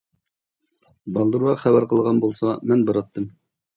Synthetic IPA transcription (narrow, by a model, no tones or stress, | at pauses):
bɑlˠd̪ɤ̆ɾuɑχæbæɾqɤ̆lˠʁɑnbulˠsɑmɘnbɤ̆ɾɑt̪ːɤm